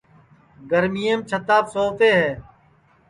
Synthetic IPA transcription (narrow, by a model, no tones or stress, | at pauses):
ɡəɾmijemt͡ʃʰət̪aːpsoːfeːɦɛː